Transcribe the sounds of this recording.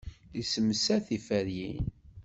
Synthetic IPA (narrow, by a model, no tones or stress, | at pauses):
isəmsæθifæɾjin